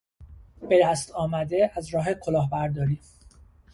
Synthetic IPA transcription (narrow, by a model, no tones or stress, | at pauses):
b̥e̞d̪æst̪ʰɒːmæd̪e̞æzɾɒːɦekʰo̞lɒːɦbæɾd̪ɒːɾiːm